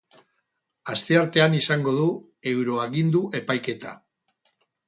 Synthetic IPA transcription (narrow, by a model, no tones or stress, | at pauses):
ast̪e̞aɾt̪e̞anisaŋɡo̞ðu | e̞wɾo̞aɣind̪uʔe̞pajke̞t̪a̰